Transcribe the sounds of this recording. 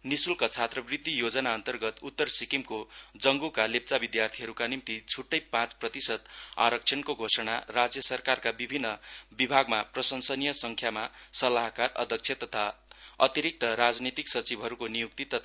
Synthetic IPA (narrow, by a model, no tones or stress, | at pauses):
nisulkʌt͡sʰat̪rʌbrid̪ːijod͡zʌnaʌnt̪ʌrɡʌt̪ut̪ːʌrsikimkod͡zʌŋɡukalep̚t͡sabid̪jart̪ʰiɦʌɾukanimt̪it͡sʰuʈːʌjpãt͡sprʌt̪isʌt̪a̰ɾʌkt͡sʰʌnkoɡʱosʌɽa̰rad͡zjʌsʌrkarkabibʱinːʌbibʱaɡmaprʌsʌnsʌnijʌsʌŋkʰjamasʌlaɦkarʌ̰d̪ʱʌk̚t͡sʰjʌt̪ʌt̪ʰaʌ̰t̪iɾik̚t̪ʌɾad͡znit̪iksʌt͡sibʱɦʌɾukonijuk̚t̪it̪ʌt̪ʰa